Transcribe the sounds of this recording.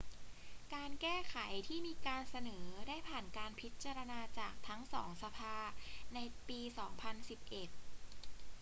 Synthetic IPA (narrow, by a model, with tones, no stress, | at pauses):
kaː˧nkɛː˥˩kʰa˩˦jt̪ʰiː˥˩miː˧kaː˧nsa˧nɤː˩˦daː˥˩jpʰaː˨˩nkaː˧npʰi˦˥t̪̚t͡ɕaː˧ɾa˧naː˧t͡ɕaː˨˩k̚t̪ʰa˦˥ŋsɔː˩˦ŋsa˧pʰaː˧na˧jpiː˧sɔː˩˦ŋpʰa˧nsi˨˩p̚ʔe˨˩t̪̚